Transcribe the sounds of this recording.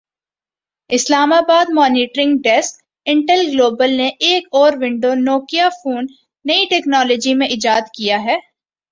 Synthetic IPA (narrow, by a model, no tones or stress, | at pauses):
ɪslaːmaːbaːd̪mɔːniːʈɾɪ̃ŋɡɖɛsk | ɪ̃ɳʈəlɡloːbəlneʔeːkɔːɾʋɪ̃ɳɖonoːkijafuːnː | ɐiʈɛːknɔːlɔːd͡ʒimẽʔɪd͡ʒaːd̪kijaɦɛː